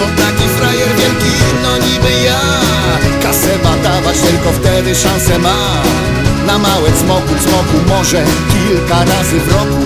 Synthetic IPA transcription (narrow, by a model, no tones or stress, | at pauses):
t̪ɔt̪akʲifɾajɛɾvʲjɛlkʲinɔɲibɘja | kasɛvad̪avat͡ɕt̪ɪlkɔft̪ɛd̪ɘʂãsɛma | namawɛt̪smɔkut̪smɔkumɔʐɛkʲilkaɾazɘvɾɔ